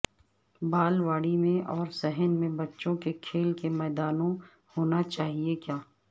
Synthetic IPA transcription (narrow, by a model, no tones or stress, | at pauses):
baːlʋaːɽimẽʔɔːɾsɛɦənmẽbɐtːʃõkekʰeːlkemɛːd̪aːnõ | hoːnat͡ʃaːɦiekjaː